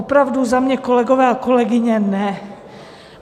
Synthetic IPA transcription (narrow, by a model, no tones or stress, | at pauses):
opɾavduzamɲɛkolɛɡovɛːakolɛɡɪɲɛnɛ